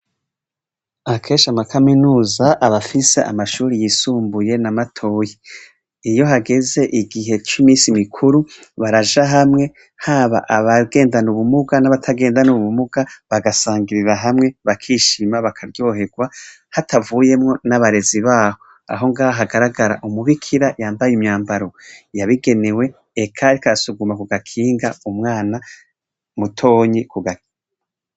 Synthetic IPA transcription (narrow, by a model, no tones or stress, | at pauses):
akʰe̞ːʃamakʰaminuːzaʔaβafise̞ʔa̰maʃuːɾijiːsuːmbuje̞namatʰo̞ːji | ijo̞ɦaɡe̞ze̞ʔiɡiɦe̞t͡ʃimiːsimikʰuɾuβaɾaʒaɦamŋe̞ | haβa̰ʔaβaɡe̞ːndanuβumuɡanaβatʰaɡe̞ːndanuβumuɡ̥aβaɡasaːŋɡiɾiɾaɦamŋe̞βakʰiːʃimaβakʰaɾjo̞ːɦe̞ɡwa | hatʰavuːje̞mŋo̞naβaɾe̞ziβaːho̞ | a̰ɦo̞ŋɡaːβaɦaɡaɾaɡaɾa̰ʔumuβikʰiɾajaːmbajimɲaːmbaɾo̞jaβiɡe̞newe̞ː | kʰaɾikaɾasuɡumakuɡakʰiːŋɡaumŋaːna | mutʰo̞ːɲikuɡak